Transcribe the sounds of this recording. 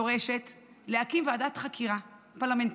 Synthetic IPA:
oʁe̞ʃe̞t | leakimveadat̪χakʰiʁa | paʁlame̞nt

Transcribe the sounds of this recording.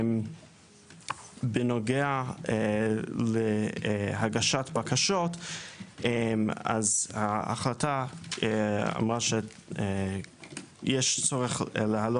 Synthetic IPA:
m | benoɡea | lehaɡaʃatbakaʃot | ema̰zhaa̰χlata | a̰mʁaʃe | jɛʃt͡soʁeχleɦalo

